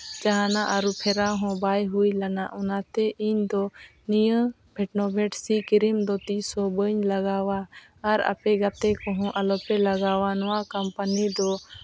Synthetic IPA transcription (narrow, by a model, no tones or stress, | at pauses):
d͡ʒaɦanaʔaɾupʰɛɾaɦɔ̃bajɦujlanaʔɔnat̪ɛʔiɲd̪ɔnijə̃ | bʱɛʈnɔbʱɛʈsikiɾimd̪ɔt̪isɔbəɲlaɡawaː | ɾa̰pɛɡat̪ɛkɔ̃ɦɔ̃ʔalɔpɛlaɡawanɔwakampanid̪ɔ